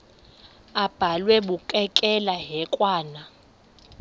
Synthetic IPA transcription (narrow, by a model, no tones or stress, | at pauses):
ab̥ʱalwɛɓukʼɛkʼɛlaɦɛkʼwaːna